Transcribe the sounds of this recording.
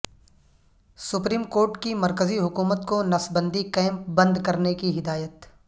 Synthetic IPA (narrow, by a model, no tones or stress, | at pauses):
sʊpɾiːmkoːɾʈkimɐɾkəziɦʊkuːmət̪konɐsbə̃nd̪ikɛːmpbɐ̃nd̪kɐɾnekiɦɪd̪aːjət̪